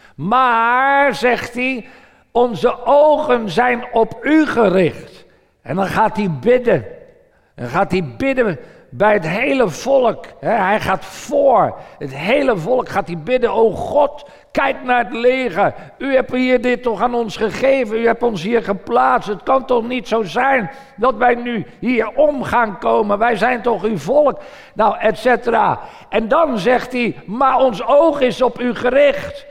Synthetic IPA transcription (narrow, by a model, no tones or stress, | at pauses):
maɹzɛχti | ɔnzəʔowχənzɛjnɔpyχərɪχt | ʔɛ̰ndɑnχaːtɦibɪdən | dɑ̰nχaːtɦibɪdən | bɛjətɦejləv̥ɔlˠəkɦɛɦɛjχaːtfʊːɹətɦejləvɔlˠkχaːtibɪdənowχɔt | kɛjk̚naɹətleːɣəyhɛphiːəɹdɪtːɔχaːnɔnsχəχeːvənyhɛp̚tɔnsɦiːɹχəplaːt͡sstətkɑntɔχnitsowzɛjn | dɑtʋɛjnyhiːəɹɔmχaːŋkoːmənʋɛjzɛjntɔχyvɔlˠk | nawʔɛtsetəra̰ː | ɛndɑnzɛχtimaɔnsowχɪsɔpyχərɪχt